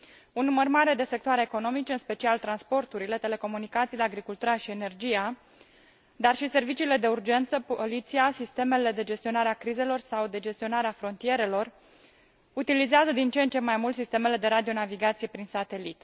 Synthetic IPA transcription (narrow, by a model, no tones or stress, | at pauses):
unːumərmaɾe̞d̪e̞se̞k̚t̪oaɾeeko̞no̞mit͡ʃeɨnspe̞t͡ʃialt̪ɾanspo̞rt̪uɾile̞t̪e̞le̞ko̞munikat̪sileaɡɾikult̪uɾaʃiene̞rd͡ʒija | d̪arʃise̞rvit͡ʃiːle̞d̪e̞urd͡ʒe̞nt̪səpolit̪siasist̪e̞me̞le̞d̪e̞d͡ʒe̞st̪io̞naɾeakɾize̞lo̞rsawd̪e̞d͡ʒe̞st̪io̞naɾeafɾo̞nt̪ie̞ɾe̞lo̞r | ut̪ilizeazəd̪int͡ʃent͡ʃe̞majmult̪sist̪e̞me̞le̞d̪e̞ɾad̪io̞naviɡat̪sije̞pɾinsat̪e̞lit̪